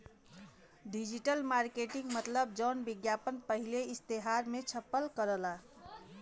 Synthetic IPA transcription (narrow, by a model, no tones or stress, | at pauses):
ɖid͡ʒiʈəlmaɾkeʈĩŋɡmət̪ləb̚d͡ʒəːnbiɡjapənpəɦileɪst̪eɦaɾmẽt͡ʃʰəpːəlkəɾəla